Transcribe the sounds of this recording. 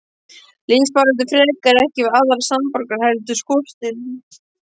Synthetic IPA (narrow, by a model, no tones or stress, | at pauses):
linspaɾʏnt̪̬ʏfɾɛːlikaɾɛhcɪvaːðaɾsampɔɾkaɾ̥hɛlt̪ʏskɔːst̪ɪl